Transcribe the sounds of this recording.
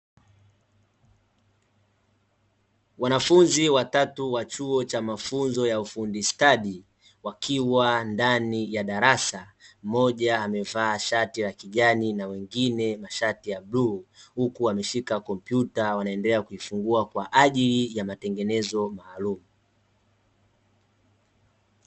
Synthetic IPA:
wanafunziwatatuwat͡ʃuɔt͡ʃamafunzɔjaufundistaɗi | wakʰiwandanijaɗaɾasam̩mɔʄaːmɛvaːʃatiɾakiʄaninawɛŋɡinɛmaʃatijaɓluhukuamɛʃikakɔm̩pjutawanaɛndɛlɛakuifuŋɡuakwaʔaʄilijamatɛŋɡɛnɛzɔmaːlumu

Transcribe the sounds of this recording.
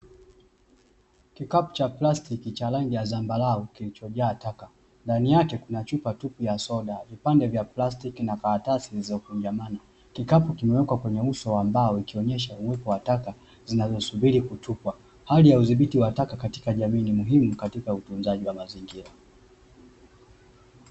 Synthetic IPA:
kikapu̥t͡ʃaplastikit͡ʃalaŋɡijazambalaɔkilit͡ʃɔʄaːtaka | ndanijakɛkunat͡ʃupatupijasɔɗavipandɛvjaplastikinakatasizaukuɲd͡ʒamana | kikapukimɛwɛkwakwɛɲɛusɔwambaɔikiɔɲɛʃauwɛpɔwataka | zinazɔsuɓiɾikutʰupwa | halijauðiɓitiwatakakati̥kaʄaminimuɦimukatikautunzaʄiwamaziŋɡiɾa

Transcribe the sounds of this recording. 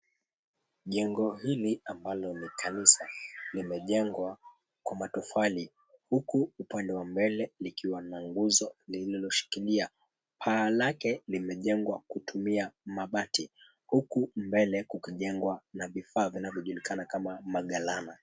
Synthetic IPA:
ʄɛŋɡɔhiliambalɔnikʰanisalimɛʄɛŋɡwa | kwamatufali | hukuupandɛwambɛlɛlikiwanaŋɡuzɔlililɔʃi̥kilia | pʰaːlakɛlimɛʄɛŋɡwakutumiamaɓati | hukumbɛlɛkukiʄɛŋɡwanavifaːvinavjɔʄulikanakamamaɠalana

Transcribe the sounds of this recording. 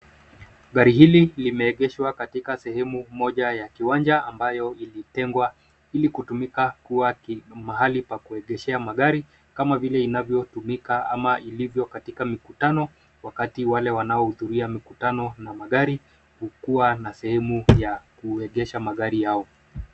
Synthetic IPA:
ɠaɾihililimɛːɠɛʃwakatikasɛhɛmumɔʄajakiwand͡ʒaambajɔilitɛŋɡwa | ilikutumikakuwamaɦalipakuɛɠɛʃɛamaɠaɾi | kamavilɛinavjɔtumikaa̰maʔilivjɔkatikamikutanɔ | wakatiwalɛwanaɔhuðuɾiamikutanɔnamaɠaɾi | hukuwanasɛhɛmujakuɛɠɛʃamaɠaɾijaɔ

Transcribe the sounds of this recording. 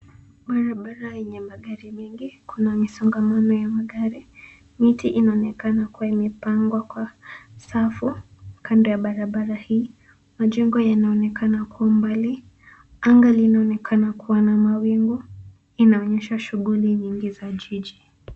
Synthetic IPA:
ɓaɾaɓaɾajɛɲɛmaɠaɾimɛŋɡikʰunamisɔŋɡamanɔjamaɠaɾi | mitiʔinaɔnɛkanakuwaimɛpaŋɡwakwasafukandɔjaɓaɾaɓaɾahiː | maʄɛŋɡɔjanaɔnɛkanakuwambali | aŋɡalinaɔnɛkʰanakuwanamawiŋɡu | inaɔɲɛʃaʃuɣuliɲiŋɡizaʄiʄi

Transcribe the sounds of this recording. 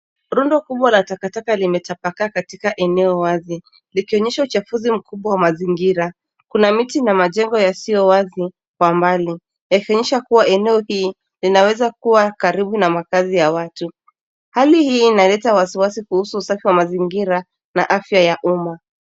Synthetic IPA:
ɾundɔkuɓwalatakatakalimɛtapakakatikaʔɛnɛɔwazi | likiɔɲɛʃaut͡ʃafuzim̩kuɓwawamaziŋɡiɾa | kunamitinamaʄɛŋɡɔjasijɔwazi | kwambali | jakiɔɲɛʃakuwaɛnɛɔhiː | linawɛzakuwakaɾiɓunamakazijawatu | halihiːnalɛtawasiwasikuhusuːsafiwamaziŋɡiɾa | na̰ʔafjajaʔuma

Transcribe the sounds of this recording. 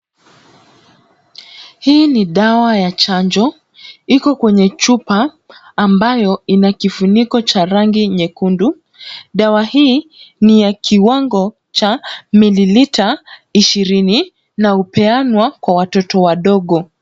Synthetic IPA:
hiːniɗawajat͡ʃaɲd͡ʒɔ | ikɔkwɛɲɛt͡ʃupaː | mbajɔinakifunikɔt͡ʃaɾaŋɡiɲɛkundu | ɗawahiːnijakʰiwaŋɡɔ | t͡ʃamililitaiʃiɾini | naupɛanwakwawatɔtɔwaɗɔɠɔ

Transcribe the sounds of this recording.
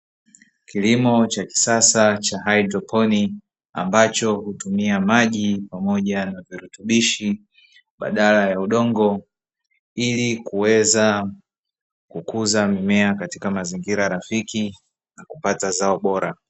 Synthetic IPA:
kilimɔt͡ʃaki̥sasat͡ʃaɦaidɾɔpʰɔni | a̰mbat͡ʃɔhutumiamaʄipamɔʄanaviɾutuɓiʃi | ɓa̰ɗalajauɗɔŋɡɔ | ilikuwɛza | kukuzamimɛakati̥kamaziŋɡiɾaɾafiki | nakupatazaɔɓɔɾa

